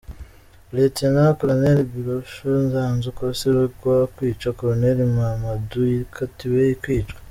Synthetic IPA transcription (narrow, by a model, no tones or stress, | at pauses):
letienaakoɾoneɾibiɾoʃonzanzukoseɾekwakwiːt͡ʃwakoɾoneɾimamaduiikʰatiwejikwiːt͡ʃkḁ